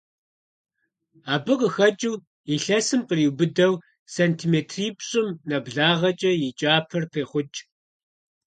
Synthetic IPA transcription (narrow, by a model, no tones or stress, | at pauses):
aːbɨqəxɐt͡ʃʼuw | iɬɐsɨmqəriwbɨdɐw | seːntʰiːmeːtʰriːpɕʼɪmnɐbɮaːʁɐt͡ʃʼɐjɪt͡ʃʼaːpʰɐrpʰeːχʷʊt͡ʃʼ